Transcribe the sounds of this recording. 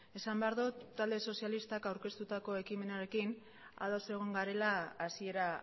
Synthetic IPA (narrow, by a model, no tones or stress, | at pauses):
e̞sambe̞aɾðut̪ald̪e̞so̞sjalist̪akawɾke̞st̪ut̪ako̞e̞kime̞naɾe̞kin | a̰ðo̞se̞ɣ̞oŋɡaɾe̞laːsie̞ɾa